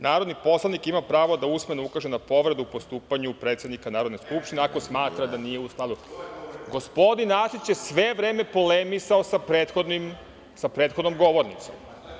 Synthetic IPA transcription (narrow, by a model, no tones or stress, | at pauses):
naːɾo̞d̪nipo̞slˠanikimapɾaːʋo̞d̪ausmenoukaʒenapo̞ʋɾe̞d̪uupo̞st̪uːpaɲupɾe̞t̪sje̞d̪nikanaːɾo̞d̪neskupʃt̪ineako̞smaːt̪ɾad̪anije̞usk̪lˠad̪uɡo̞spo̞d̪inasit͡ɕjesʋe̞ʋɾeːme̞po̞lemisaosapɾet̪xod̪nim | sapɾeːt̪xod̪no̞mɡo̞ʋo̞ɾnḭt̪so̰m